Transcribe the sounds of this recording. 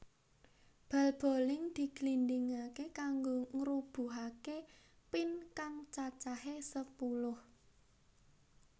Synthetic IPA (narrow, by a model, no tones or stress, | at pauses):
b̥a̤lb̥o̤lɪŋd̪̥i̤klindɪŋakekaŋɡoŋɾub̥ṳɦake | pɪnkaŋt͡ʃat͡ʃaɦesəpulʊh